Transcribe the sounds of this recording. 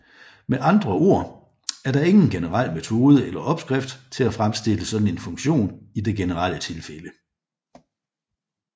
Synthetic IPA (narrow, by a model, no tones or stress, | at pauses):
meʔɑ̈nd̥ʁɐo̝ɐ̰ | æɐɾɑ̈e̝ŋn̩ɡ̥enəʁal̰met͡sʰo̝ːð̞ˠəʔelɐʔɒ̽b̥sɡ̥ʁɛfd̥t͡sʰe̝læfʁamsd̥e̝ləsɒ̽d̥n̩e̝nfɔ̽ŋɕo̝̰ːnid̥e̝ɡ̥e̝nəʁal̰ət͡sʰe̝lfelə